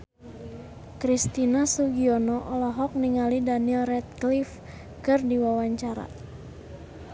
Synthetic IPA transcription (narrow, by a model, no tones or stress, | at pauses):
kɾist̪inasuɡiɔnɔʔɔlɔɦɔk̚niŋalidanilrɛt̪̚klif | kɨrdiwawaɲt͡ʃaɾa̰